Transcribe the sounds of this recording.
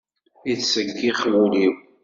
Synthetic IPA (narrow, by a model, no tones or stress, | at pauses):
iθsəkːiχwuliw